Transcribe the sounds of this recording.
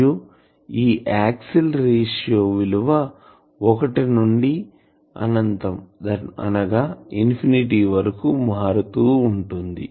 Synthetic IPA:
u | iːʔaːksilɾeːʂjoːʋiluʋɐ | ɔkɐʈinuɳɖi | ɐ̰nɐnt̪ɐmd̪ɐɐ̰nɐɡaːinpʰiniʈiːʋɐɾɐkumaːɾut̪uːɳʈund̪ḭ

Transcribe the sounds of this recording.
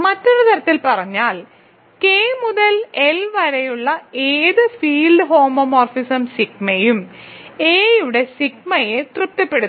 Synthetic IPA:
mɐtːoɽet̪ʰɐɾɐt̪ːilpɐrɐɲːaːl | keːmuðɐlelʋɐɾɐjuɭːɐeːðɨfiːlɖɨɦo̞ːmɐmoːrfisɐmsik̚mɐjum | eːjuɽe̞sik̚mɐjet̪rɨp̚t̪ːɐpːe̞ɽu

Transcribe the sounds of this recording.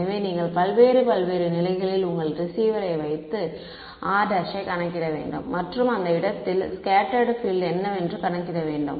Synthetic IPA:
ɐʋeːniːŋɡɐɭpɐlʋeːɾɯpɐlʋeːɾɯnɪlɐɪɣɐɭɪlʊŋɡɐɭɾɪsiːʋɐɾɐɪʋɐɪt̪ːɯ | ʔaːdɐʂɐɪkɐɳɐkːɪɾɐʋḛːɳɖɯ̰mmːɐʈrɯmɐnd̪ɐɪɽɐt̪ːɪlskaːʈɐɖfɪlɛnːɐɛndrɯkɐɳɐkːɪɾɐʋeːɳɖɯ̰m

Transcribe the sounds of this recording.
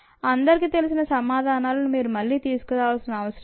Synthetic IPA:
ɐnd̪ɐɾkɯt̪ɛlɪs̬ɪnɐsɐmaːðaːnaːlɯmeːɾɯmɐlːit̪iːskɐðaːʋɐsɐnɐɐʋɐsɪɾɐ

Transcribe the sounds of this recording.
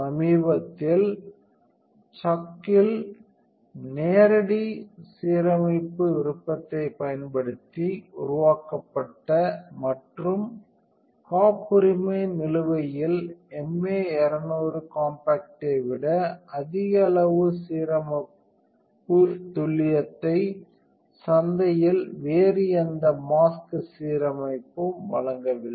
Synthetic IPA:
ɐmiːbɐt̪ːɪl | t͡ʃɐkːɪl | neːɾɐɽisiːɾɐmɐɪpːɯʋɪɾɯpːɐt̪ːɐɪpːɐjɐnpɐɽɯt̪ːiʊ̰ɾʊʋaːkɐpːɐʈːɐmɐʈrɯm | kaːpːʊɾɪmɐnɪlɯʋɐjɪlɛmeːɛɾɐnoːrɯkaːmpaːk̚ʈɐɪʋɪɽɐɐðɪɣɐɭɐʋɯsiːɾɐmɐp | pːɯt̪ʊɭɪjɐt̪ːɐɪ | sɐnd̪ɐjɪlʋeːrɪjɐnd̪ɐmaːskɯsiːɾɐmɐɪpːɯmʋɐ̰ɭɐŋɡɐʋɪlːɐ

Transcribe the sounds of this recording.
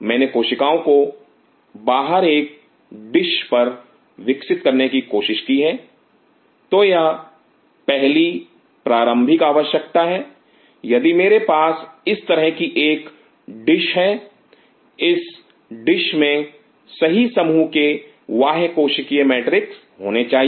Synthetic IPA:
mɛ̃ːnekoːʃɪkaːõko | baːɦəɾeːk̚ | ɖɪʃpɐɾ | ʋɪksɪt̪̚kɐɾnekikoːʃɪʃkiɦɛː | t̪oja | pɛɦli | pɾaːɾə̃mbʱikaːʋəʃjɐkt̪aɦɛː | jɐd̪imeːɾepaːsɪst̪ɐɾəɦkiʔeːk | ɖɪʃɦɛː | ɪs | ɖɪʃmẽ | sɐɦisɐmuke | ʋaːɦkoːʃɪkiemɛːʈɾɪks | ɦoːnet͡ʃaːɦie

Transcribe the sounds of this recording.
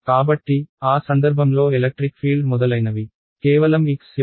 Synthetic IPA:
kaːbɐʈːiaːsɐnd̪ɐɾbʱɐmlo̞ːelɐk̚ʈɾikpʰiːɭɖmɔd̪ɐlɐjnɐʋi | keːʋɐlɐmiks

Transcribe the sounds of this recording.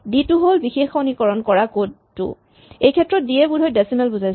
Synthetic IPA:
ditʊɦolbixexɔnikɔɹɔnkɔɹako | tʊ̰ | ejkʰɛtːɹɔt̚diɛbudʱɔjdɛsimɛlbuzajs

